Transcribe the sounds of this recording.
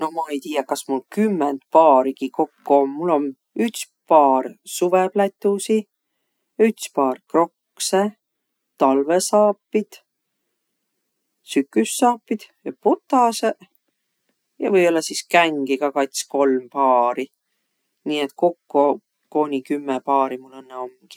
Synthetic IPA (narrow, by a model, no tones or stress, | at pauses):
no̞mɑe̞jt̪iːjɑkɑsmulkymːend̪pɑːɾiɡ̥iko̞kːuomːulːo̞n | yht̪s | pɑːrsuveb̥læt̪ːˑusi | jɑyt̪spɑːrkro̞k | se | t̪ɑlvesɑːpːˑid̪̥ | sykːˑysːɑːpːˑid̪̥jɑput̪ːˑɑse | jɑ̰vɤjo̞lːɑsiskæŋɡ̥iɡ̥ɑkɑjt̪sko̞lmpɑːɾi | niːet̪ko̞kːo | ko̞ːnʲikymːepɑːɾimulːenːeo̞mːɡ̥i̥